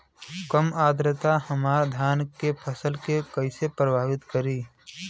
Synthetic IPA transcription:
kəmaːd̪ɾət̪ahəmaːɾd̪ʱjaːnkepʰəsəlkekəɪsepɾəbʱaːʋɪt̪kəɾiː

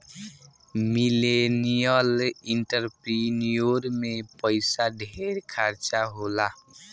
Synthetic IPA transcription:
milenijəliɳʈəɾpɾinijoɾmepəɪsaɖʱeɾkʰaɾt͡ʃaɦola

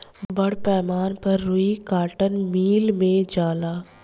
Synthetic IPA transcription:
bɐɽpɛːmaːnpɐɾːʊikaːʈənmiːlmẽd͡ʒaːlaː

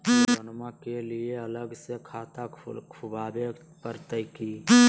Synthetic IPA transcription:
ənmãkelieələɡsekʰaːt̪akʰʊbaːbet̪pəɾt̪əjki

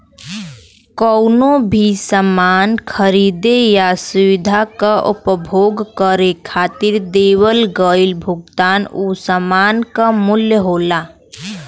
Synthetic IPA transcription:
kəʊnobʱisəmaːnkʰəɾiːd̪ejasʊʋɪd̪ʱakaʔʊ̰pəbʱoːɡkəɾekʰaːt̪ɪɾd̪eːwəlɡəɪlbʱʊɡ̚t̪aːnusəmaːnkamʊljəɦoːlaː

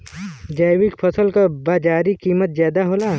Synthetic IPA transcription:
d͡ʒajwɪkpʰɐsəlkabaːd͡ʒaːɾikiːmət̪̚zjaːd̪aɦoːlaː

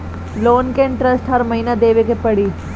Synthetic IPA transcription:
loːnkeɳʈɾɐsʈɦɐɾmɐɦinad̪eːʋekepɐɽiː

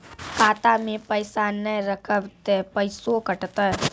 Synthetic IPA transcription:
kaːt̪amẽpəɪsanəɾəkʰəbt̪epəɪsokəʈt̪əɦ

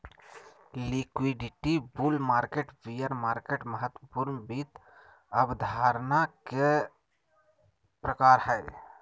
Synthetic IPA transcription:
likwiɖɪʈibulmaːɾkeʈʋijəɾmaːɾkeʈməɦət̪wəpuːɾnbit̪ | əbd̪ʱaːɾnake | pɾəkaːɾɦɛː

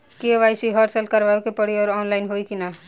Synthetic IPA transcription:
keʋajsiɦʌɾsəlkəɾʋaukepʌɽiʌɾɔnlajnɦojkina

